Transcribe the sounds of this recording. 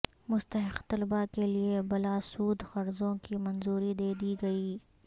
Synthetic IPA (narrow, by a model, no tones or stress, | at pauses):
mʊst̪ɐɦɪqt̪ɐlbakeliebɐlaːsuːd̪xɐɾzõkimɐ̃nzuːɾid̪eːd̪iɡɐiː